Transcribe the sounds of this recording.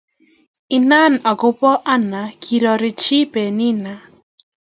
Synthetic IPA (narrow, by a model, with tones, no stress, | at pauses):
ɪ˦na˦˨na˨kʊ˦pɔ˦ʔa˦na˨kʰi˨ɾɔ˨ɾɪ˨t͡ʃi˦pe˨nɪ˦na˨